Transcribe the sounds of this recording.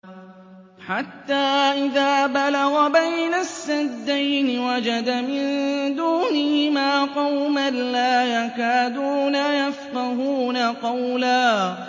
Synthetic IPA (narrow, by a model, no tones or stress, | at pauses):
ħat̪ːaːʔɪðaːbalɑɣabajnasːad̪ːajnɪwad͡ʒad̪amɪnd̪uːnɪhɪmaːqɑwmanlaːjakaːd̪uːnajafqɑɦuːnaqɑwlaː